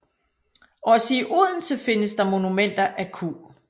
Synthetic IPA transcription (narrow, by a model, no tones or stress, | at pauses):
ɒ̽səiʔuðˠn̩səfe̝nəsd̥ɑ̈mo̝numen̰d̥ɐʔækʰṵː